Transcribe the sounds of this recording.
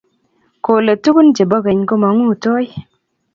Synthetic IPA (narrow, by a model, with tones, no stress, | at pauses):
ko˨le˨tu˦ku˦n˦d͡ʒe˨bɔ˦ɣe˨ɲko˦ma˨˦ŋu˦˨tɔ˦j